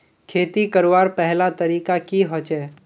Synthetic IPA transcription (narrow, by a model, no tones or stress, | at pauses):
kʰeːt̪ikəɾʋaːɾpɛɦlat̪əɾiːkakiɦɔt͡ʃɛː